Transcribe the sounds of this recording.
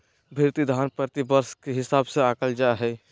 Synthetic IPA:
bʱiɾt̪id̪ʱaːnpɾət̪ibəɾskeɦɪsaːbseaːkəld͡ʒaɦɛ

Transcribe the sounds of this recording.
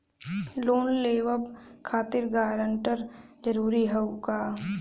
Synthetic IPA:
loːnleːʋəbkʰaːt̪ɪɾɡaːɾəɳʈəɾd͡ʒəɾuːɾiɦəukaː

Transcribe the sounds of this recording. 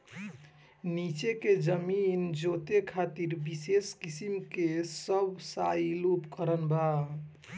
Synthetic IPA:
nit͡ʃeked͡ʒəmind͡ʒot̪ekʰat̪iɾbiseskisimkesəbsailupkəɾənba

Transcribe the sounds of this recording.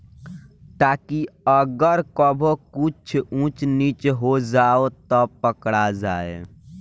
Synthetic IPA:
t̪aːkiəɡəɾkəbʱokut͡ʃʰũt͡ʃnit͡ʃɦod͡ʒaːot̪ɔpəkɽad͡ʒa̰ːḛ

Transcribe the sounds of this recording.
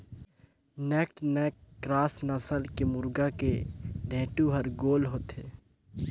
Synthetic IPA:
nɛːkʈnɛːkːɾaːsnəsəlkemʊɾɡakeɖʱẽːʈuɦəɾɡoːlɦoːt̪eː

